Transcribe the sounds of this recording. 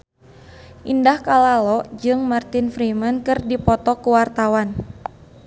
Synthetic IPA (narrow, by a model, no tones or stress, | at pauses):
ʔindahkalalɔʔd͡ʒɨŋmart̪infɾimənkɨrdipɔt̪ɔkuwart̪awan